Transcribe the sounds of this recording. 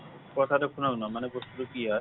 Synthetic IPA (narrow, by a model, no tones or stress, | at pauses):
kɔt̪ʰad̪ɔkʰunanɔmanebost̪uɾokia